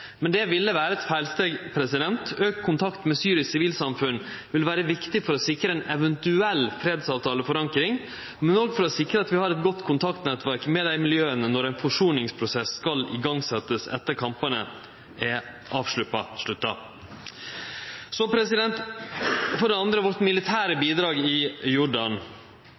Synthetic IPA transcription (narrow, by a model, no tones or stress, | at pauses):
mɛnd̪ɛʋɪlːəʋæːɾəɛt̪fæɪlst̪eːɡpʰɾɛsɪd̪ɛnt̪øːkkʰʊnt̪ʰɑkt̪mɛsyːɾɪssɪʋiːlsɑmfʉnʋɪlʋæːɾəʋɪkt̪ɪfɔɾɔsɪkɾəɛnɛʋɛnt̪ʉɛlːfɾeːd̪sɑːʋt̪ʰɑːləfɔɾɑŋkɾɪŋ | mɛnɔːɡfɔɾɔsɪkɾəɑt̪ʋɪhɑːɾɛt̪ɡɔt̪ːkʰʊnt̪ʰɑkt̪nɛt̪ʋæɾkmɛd̪æɪmɪljøːənənɔɾæɪnfɔʂuːnɪŋspʰɾʊsɛsːkɑlɪ̰ɡɑŋːsɛt̪ːəsɛ̰t̪ːəɾkʰɑmpɑnə | ʔɛ | ʔɑːʋʂɭʉpːɑʂɭʉt̪ːɑ | sɔpʰɾɛsɪd̪ɛnt̪ | fɔɖɛɑnd̪ɾəʋɔɾt̪mɪlɪt̪ʰæːɾəbiːd̪ɾɑːɡɪjʊɖɑn